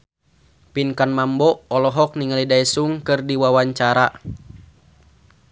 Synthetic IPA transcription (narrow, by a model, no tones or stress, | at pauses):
pinkanmambɔɔlɔɦɔk̚niŋalidaisuŋkɨrdiwawaɲt͡ʃaɾa